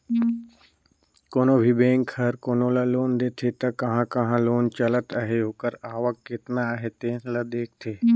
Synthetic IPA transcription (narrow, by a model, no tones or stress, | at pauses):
koːnobʱibẽːŋkhɐɾkoːnolaloːnd̪eːt̪ʰet̪ɐkɐɦãkɐɦãloːnt͡ʃɐlət̪aɦeɦoːkəɾaːʋəkːɪt̪naɦet̪eːnlɐd̪eːk̚t̪ʰeː